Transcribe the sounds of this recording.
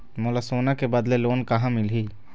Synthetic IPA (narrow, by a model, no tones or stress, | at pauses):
molasoːnakebad̪leloːnkaɦãmɪlɦi